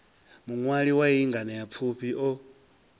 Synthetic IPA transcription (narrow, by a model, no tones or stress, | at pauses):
muŋwaɺiwaiiŋɡanajap̪fʰuɸiʔɔ